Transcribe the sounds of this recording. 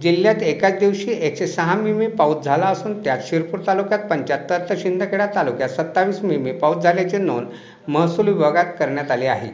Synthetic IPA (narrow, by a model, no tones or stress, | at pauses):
d͡ʑiljat̪ekat͡sd̪iʋɕiːʔeksesəɦãmimepaut̪̚d͡zʱalaəsuːnt̪jat̪ɕiɾpuːɾt̪alukjat̪̚pəɲt͡ɕjat̪ːət̪ʰːəɕind̪ʱəkeɽat̪alukjasət̪ːaʋiːsmimepaut̪d͡zʱaljat͡senon | məɦsulibəɡat̪kəɾɳjat̪alea̰ɦḛ